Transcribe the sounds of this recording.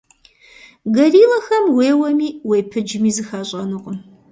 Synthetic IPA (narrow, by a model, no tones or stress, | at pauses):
ɡɐriːlɐxɐmweːwɐmiːwejpʰɨd͡ʒɪmiːzɨxaːɕʼɐnɨqʼəm